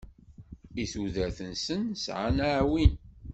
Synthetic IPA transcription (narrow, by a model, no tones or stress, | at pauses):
iθuðæθənsənsʕa̰naʕwin